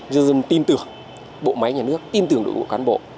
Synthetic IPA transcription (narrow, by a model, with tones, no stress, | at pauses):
zɨ˧zə˧˩nt̪i˧nt̪ɨ˨˩əŋ | ɓo̰˧˨ma˨˦jɲaː˨˩nɨ˦˥ək̚t̪i˧nt̪ɨ˨˩əŋɗɨ̰˧˨˩kṵ˧˩əkaː˨˦nɓo̰˧˨ʔ